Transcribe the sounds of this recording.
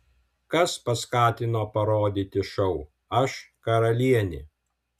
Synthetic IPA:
kɐspɐskɑːt̪ʲɪnoːpɐɾoːd̪ʲiːt̪ʲɪʃɐʊ | ɐʃkɐɾɐlʲiɛnʲɪ

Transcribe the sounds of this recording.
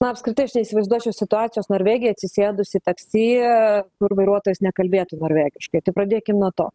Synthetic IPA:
nɐɐpskɾʲɪt̪ɐɪɐʃnʲɛɪisʲɪʋɐɪzd̪uɔt͡ʃʲoʊsʲɪt̪ʊɑːt̪t͡s̪ʲɪjoːsnoːɾʲʋʲeːɡʲɪjɛɐt̪sʲɪsʲeːd̪ʊsʲɪit̪ɐksʲiːkʊrʋɐɪɾuɔt̪oːjʊsnʲɛkɐlʲbʲeːt̪uːnoːɾʲʋʲæːɡʲɪʃkɐɪt̪ɐɪpɾɐd̪ʲeːkʲɪmnuɔt̪o̰ː

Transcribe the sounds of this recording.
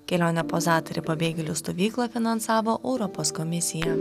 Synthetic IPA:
kʲɛlʲoːnʲɛpoːzɑːt̪ɔɾʲɪpɐbʲeːɡʲɛlʲʊst̪oʋʲiːklˠɐfʲɪnɐnsɑːʋoːʔɛʊɾɔpoːskɔmʲɪsʲɪjɛ

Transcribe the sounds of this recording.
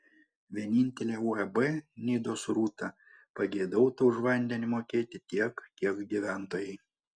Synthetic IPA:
ʋʲiɛnʲɪnʲt̪ʲɛlʲeːuɛbɛnʲiːd̪oːsɾuːt̪ɐ | pɐɡʲeːd̪ɐʊt̪uʊʒʋɐnʲd̪ʲɛnʲɪmoːkʲeːt̪ʲɪt̪ʲiɛkkʲiɛkɡʲiːʋʲæˑnt̪oːjɛɪ

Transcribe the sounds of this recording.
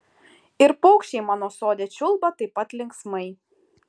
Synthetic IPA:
ɪɾpɔʊkʃʲt͡ʃʲɛɪmɑːnoːsoːd̪ʲeːt͡ʃʲʊlˠbɐt̪ɐɪpɐt̪lʲɪŋksmɐɪ

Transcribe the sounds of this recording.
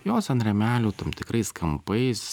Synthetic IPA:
joːsɐnɾʲɛmʲæːlʲuːt̪ɐmt̪ʲɪkɾɐɪskʰɐmpɐɪs

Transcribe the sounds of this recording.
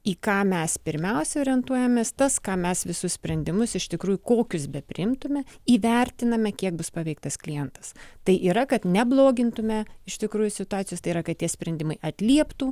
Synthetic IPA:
iːkɑːmʲɛspʲɪɾʲmʲɛʊsʲɛoːɾʲɛnt̪uɔjɛmʲeːst̪ɐskɑːmʲɛsʋʲɪsʊssʲpʲɾʲɛnʲd̪ʲɪmʊsɪʃt̪ʲɪkɾuːjʊkoːkʲʊsbʲɛpʲɾʲɪ̰ɪmt̪ʊmʲɛiːʋʲɛrʲt̪ʲɪnɐmʲɛkʲiɛk̚bʊspɑʋʲɛɪk̚t̪ɐsklʲɪjɛnt̪ɐ̥st̪ɐɪʔiːɾɐkɐt̪nʲɛblˠoːɡʲɪnt̪ʊmʲɛɪʃt̪ʲɪkɾuːjʊsʲɪt̪ʊɑːt̪sʲjost̪ɐɪiːɾɐkɐt̪̚tʲiɛsʲpʲɾʲɛnʲd̪ʲɪmɐɪʔɐt̪ʲlʲiɛpt̪uː

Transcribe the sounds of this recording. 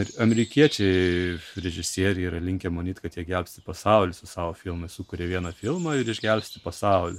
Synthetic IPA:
ɐmʲɛɾʲɪkʲiɛt͡ʃʲɛɪɾʲɛʒʲɪsʲiɛɾʲɛiɾɐlʲɪŋʲkʲɛmonʲiːt̪ʲkɐt̪jiɛɡʲɛlʲpʲsʲt̪ʲɪpɐsɐˑʊlʲɪsʊsɑːʋoːfʲɪlˠmɐɪsʊkʊɾʲeːʋʲiɛnɐfʲɪlˠmɐɪɾɪʒʲɡʲɛlʲpʲsʲt̪ʲɪpɐsɑˑʊlʲʊ

